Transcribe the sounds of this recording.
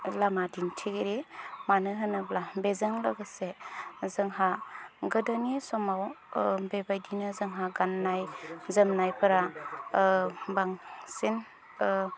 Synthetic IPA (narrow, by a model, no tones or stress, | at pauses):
lamadintʰiɡeɾemanɯɦɯnɯblabezəŋlɯɡasezɯŋɦaɡɯdanisɔmaw | bebajdinɯzɯŋɦaɡanːajzəmnajpɯɾa | baŋsin